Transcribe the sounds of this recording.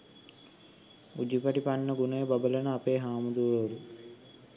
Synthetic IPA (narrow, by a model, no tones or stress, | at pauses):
ud͡ʒipɐʈipanːəɡunəjəbɐbələnəapeːɦaːmud̪uəɐɾu